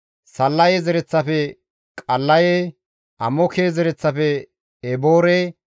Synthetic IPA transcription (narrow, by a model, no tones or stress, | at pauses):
sɐlːɐjezɛɾɛt͡sːɐfɛ | kʼɐlːɐje | ɐmɔkʰeːzɛɾɛt͡sːɐfɛ | ɛboːɾeː